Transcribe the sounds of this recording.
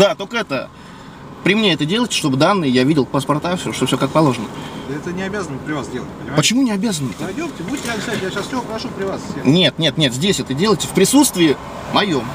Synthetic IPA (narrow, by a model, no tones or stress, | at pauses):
d̪at̪okəɛt̪ə | pɾʲɪmnʲeɛt̪ədʲe̞lˠəjtʲɪ̥ʂt̪o̞bɨd̪anːɨjɪjavʲidʲɪlˠpəspɐrt̪afsʲoʂt̪ofsʲokak̚pɐlˠo̞ʐənəəɛt̪ənʲɪɐbʲazənəpɾʲɪvasdʲelˠət̚ʲpənʲɪmapət͡ɕɪmunʲɪɐbʲazənədʲomtʲɪbudʲɪtʲːɪakst̪atʲɪjaɕasfsʲɪvopɾɐʂupɾʲɪvassʲenʲet̪nʲe̞t̪nʲe̞t̪zʲdʲesʲɛt̪ədʲe̞lˠəjtʲɪfpɾʲɪsut̪st̪vʲɪːɪ | mɐjo̞m